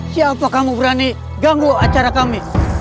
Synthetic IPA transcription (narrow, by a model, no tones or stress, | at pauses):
siaːpakamubəɾani | ɡaŋɾuat͡ʃaɾakami